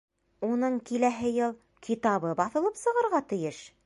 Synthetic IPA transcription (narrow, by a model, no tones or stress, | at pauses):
unɤɴkilæɦɘjɤlˠ | kʰit̪ɑβɤbɑθɤ̆lˠɤpsɤ̆ʁɤ̆ɾʁɑt̪ɘ̆jɘʃ